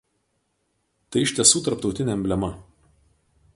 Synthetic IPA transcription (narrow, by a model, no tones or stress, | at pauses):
t̪ɐɪɪʃʲt̪ʲɛsuːt̪ɐɾpt̪ɒʊt̪ʲɪnʲɛɛmʲbʲlʲɛmɐ